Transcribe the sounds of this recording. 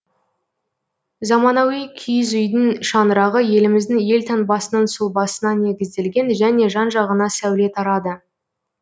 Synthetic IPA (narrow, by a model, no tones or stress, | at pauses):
zɑmɑnɑwijkʲʰijzʏjd̪ɪnʃɑnəɾɑʁəje̞lɪmɪzd̪ɪŋje̞lt̪ʰɑnbɑsənənsʊlˠbɑsənɑne̞ɡʲɪzd̪e̞lɡʲe̞nʒæne̞ʒɑnʒɑʁənɑsæwle̞t̪ʰɑɾɑd̪ə